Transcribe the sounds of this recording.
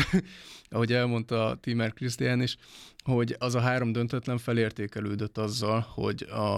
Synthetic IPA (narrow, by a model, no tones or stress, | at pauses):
ɒɦo̞ɟɛlmo̞nt̪ɒt̪imɛrkrist̪ijaːniʃho̞ɟɒzɒɦaːɾo̞md̪ønt̪ɛt̪lɛɱfɛleːrt̪eːkɛløːd̪øt̪ːɒzːɒlho̞̰ɟɒ